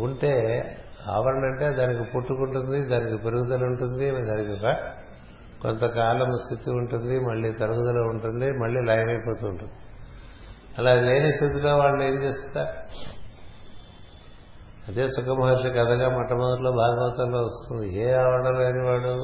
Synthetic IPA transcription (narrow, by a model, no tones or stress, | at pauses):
uɳʈe̞ːa̰ːʋɐɽɐɳɐɳʈe̞ːd̪aːnikipuʈːukuɳʈund̪id̪aːnikipeɾuɡut̪ɐluɳʈund̪id̪aːnikiɔkɐ | ko̰nt̪ɐkaːlɐmst̪ʰit̪iuɳʈund̪imɐɭːiːt̪ɐɾukud̪ɐloːuɳʈund̪imɐɭːiːlɐjɐʋɐjpo̞ːt̪uːɳʈund̪i | ɐlaːleːnist̪ʰit̪̬ilo̞ːʋaːɭːueːnt͡ʃeːst̪unaː | ɐd̪e̞ːsukɐmɦaːɾʂɐkɐd̪ɐɡaːmɐʈːɐmɐnd̪uɾlo̞ːbʱaːɡɐʋɐt̪ɐmlo̞ːʋɐst̪und̪ieːaːʋɐɽɐlɐjniʋaːɽu